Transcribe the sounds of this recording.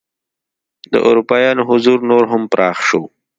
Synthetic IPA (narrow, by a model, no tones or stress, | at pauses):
d̪ə̰ʔʊ̰ɾupɑjɑːnoɦʊzuɾnoɾɦʊmpɾʔɑːxʃo